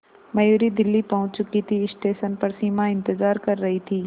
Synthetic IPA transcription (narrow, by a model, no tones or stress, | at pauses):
mɐjuːɾid̪ɪlːipɐɦʊ̃t͡ʃt͡ʃʊkit̪ʰiɪsʈeːʃənpɐɾsiːmaɪ̃nt̪ɪzaːɾkɐɾːɐɦit̪ʰiː